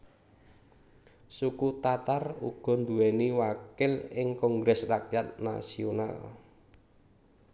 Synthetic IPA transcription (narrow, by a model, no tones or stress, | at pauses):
sukut̪at̪arṵɡ̥ɔ̤nd̪uwɛniwakɪlɪŋkɔŋɡɾɛsrakjat̪̚na̰siona̰l